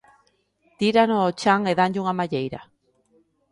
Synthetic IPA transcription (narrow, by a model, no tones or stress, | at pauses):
t̪iɾanoːt͡ʃaŋeðaɲɟuŋamaʎejɾa̰